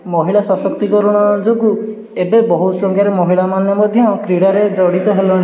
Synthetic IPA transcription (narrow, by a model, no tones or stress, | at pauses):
mɔɦiɭasɔsɔkt̪ikɔɾuɽ̃ɔd͡ʒoɡu | ebebɔɦut̪sɔŋɡjaɾemɔɦiɭamanjɔmɔd̪ʱjɔ̃kɾiɽaɾed͡ʒɔɽit̪ɔɦelɔɽ̃